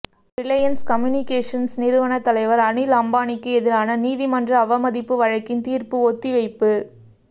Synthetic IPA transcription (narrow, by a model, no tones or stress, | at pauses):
ɾɪlɐjɐnskɐmjunɪkeːʂɐnsnɪɾɯʋɐɳɐt̪ːɐlɐɪʋɐɾɐɳɪlɐmbaːnɪkːɯɛðɪɾaːnɐniːðimɐndrɐːʋɐmɐðɪpːɯʋɐɻɐkːɪnt̪iːrpɯɔt̪ːiʋɐɪpːɯ